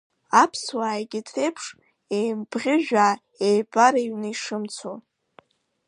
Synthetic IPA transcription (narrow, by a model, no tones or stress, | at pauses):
apʰswaːjɡʲɪtʰrejpʰʂ | ejmbʁʲɪʒᶣaː | ejbʼaɾaɥnɨiʂɨmt͡sʰo